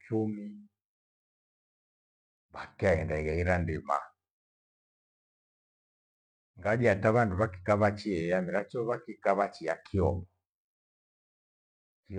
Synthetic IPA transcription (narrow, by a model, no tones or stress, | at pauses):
t͡ʃumi | βakɛaɛndaiɣaiɾandima̰ | ŋɡad͡ʒiataβanduβaki̥kaβat͡ʃiɛjamiɾat͡ʃɔβakikaβat͡ʃiakʰiɔβɔ | i